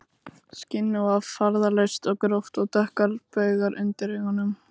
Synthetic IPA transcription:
scɪnːʏvavfaɾðalœɥst̪ɔɣkɾowht̪ɔɣt̪ɛhkalpœɥɣaɾʔʏ̰nt̪ɪɾɪhanːʏm

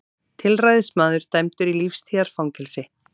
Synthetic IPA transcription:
t̪ʰɪlrajðɪsmaːðʏɾ̥t̪ajmt̪ʏɾilifst̪ʰiːaɾ̥fawŋcɛlsɪ

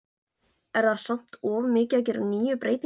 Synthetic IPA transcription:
ɛɾðaðsam̥t̪ɔːvmɪːcac̬ɪɾniːjʏpɾeːjt̪

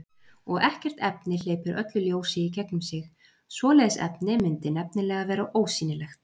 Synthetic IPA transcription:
ɔɣɛhcɛr̥t̪ɛpnɪleːjpʏɾʔœt̪lʏljoːwsɪicʰɛknʏmsɪx | svɔːlɛjsɛ̰pnɪmɪnt̪ɪnɛpnɪlɛːɣavɛːɾaʔoːwsiːnɪlɛxt̪

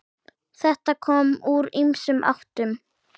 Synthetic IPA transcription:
θɛht̪akʰɔːmuɾimsʏmʔa̰ht̪ʏm

